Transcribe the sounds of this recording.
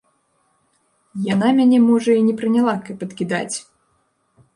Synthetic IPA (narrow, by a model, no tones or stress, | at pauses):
janamʲanʲɛmɔʐɐinʲɛpɾɨnʲalˠakɐpɐt̪kʲid̪a̰t͡sʲ